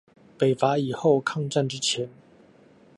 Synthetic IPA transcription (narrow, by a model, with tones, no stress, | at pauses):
pe˨˩ɪfa˨˥i˨˩xo˥˨ʊkʰɑ˥˧ŋʈ͡ʂa˥˨nʈ͡ʂɻ̩˦˥t͡ɕʰjɛ˨˦n